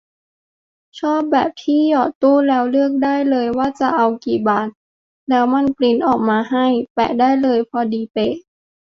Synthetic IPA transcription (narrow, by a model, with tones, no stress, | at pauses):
t͡ɕʰɔː˥˩p̚bɛː˨˩p̚t̪ʰiː˥˩jɔː˨˩t̪uː˥˩lɛː˦˥wlɯ˥˩ək̚daː˥˩jlɤː˧jwaː˥˩t͡ɕa˨˧˩ʔa˧wkiː˨˩baː˨˩t̪̚ | lɛː˦˥wma˧˥˨npli˧˥˩nʔɔː˨˩k̚maː˧ɦa˥˩jpɛ̰˨˩daː˥˩jlɤː˧jpʰɔ˧diː˧˦pe˧˩ʔ